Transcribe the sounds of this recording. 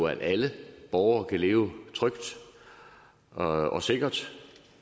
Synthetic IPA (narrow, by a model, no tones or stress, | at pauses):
æd̥æləb̥ɒʊɐkʰæle̝ːʊt͡sʰʁœɡ̥d̥ | ɒ̽se̝ɡ̥ɐd̥